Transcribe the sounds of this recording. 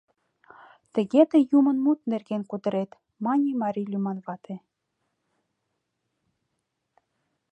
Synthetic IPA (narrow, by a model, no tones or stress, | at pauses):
t̪ə̆ɣet̪ĕjumə̆nmut̪̚nerɣenkud̪ə̆ɾet̪ | mɑnʲimɑɾʲilʲymɑnβɑt̪e